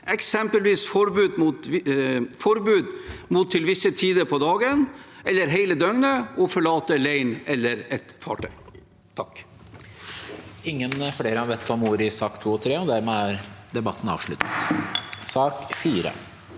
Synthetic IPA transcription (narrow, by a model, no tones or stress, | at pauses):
ʔɛksɛmpəlʋiːsfɔɾbʉːd̪muːt̪ | fɔɾbʉːd̪muːt̪ʰːɪlʋɪsːət̪ʰiːd̪əɾpʰɔd̪ɑːɡənʔɛlːəɾɦeɪləd̪œŋnəʔɔfɔɭɑːt̪əleɪnɛlːəɾɛt̪fɑ̰ːʈʰœʏ | t̪ʰɑk | ɪŋːənfleːɾəɑːʋeːt̪ːɔmuːɾɪsɑːkt̪ʰuːɔt̪ʰɾeːɔd̪æɾmeːæɾd̪ɛbɑt̪ːn̩ɑ̰ːʋʂɭʉ̰t̪ə̥t̪sɑːkfiːɾə̰